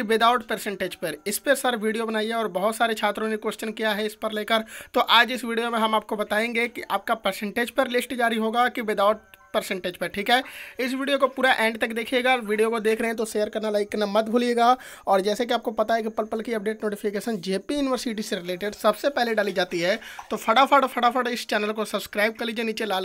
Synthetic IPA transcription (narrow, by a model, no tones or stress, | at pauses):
kiʋɪd̪aːʊʈpəɾsɛ̃ɳʈeːd͡ʒpɐɾɪspesɐɾʋiːɖijobɐnaːieɔːɾbɐɦʊt̪saːɾet͡ʃʰaːt̪ɾõneikwest͡ʃənkijaɦɛɪspəɾleːkəɾt̪oʔaːd͡ʒɪsʋiːɖijomẽɦɐmaːp̚kobɐt̪aːẽːŋɡekiʔʔaːp̚kapəɾsɛ̃ɳʈeːd͡ʒpəɾlɪsʈd͡ʒaːɾiɦoːɡakiʋɪd̪aːʊʈ̚pəɾsɛ̃ɳʈeːd͡ʒpəʈʰiːkɦɛːɪsʋiːɖijokopuːɾaʔɛ̃ːɳɖt̪ɐkd̪eːkʰieːɡaʋiːɖijokod̪eːkʰɾəɐɦɛ̃t̪oʃeːjəɾkɐɾnalaːiknamɐt̪̚bʱuːlieːɡaː | ɔːɾd͡ʒɛːsek̬iaːp̚kopɐt̪aɦɛkipəlpəlkiɐp̚ɖeːʈnoːʈɪfʰɪkeːʃənd͡ʒeːpijuːnɪʋəɾsɪʈ̬iseɾɪleːʈeɖsɐbsepɛɦleɖaːlid͡ʒaːt̪iɦɛːt̪opʰɐɽafʰəɽpʰɐɽapʰəɽɪst͡ʃɛːnəlkosɐbskɾaːɪb̚kəɾlid͡ʒeniːt͡ʃelaː